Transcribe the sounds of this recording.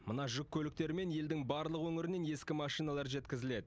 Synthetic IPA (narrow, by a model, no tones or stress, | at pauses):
mənɑʒʏkʲʰːɵlɪk̚t̪e̞ɾɪme̞nje̞ld̪ɪŋbɑɾlˠəqwɵŋɪɾɪne̞nje̞skʲɪmɑʃijnɑlˠɑɾʒe̞t̪kʲɪzɪle̞d̪ɪ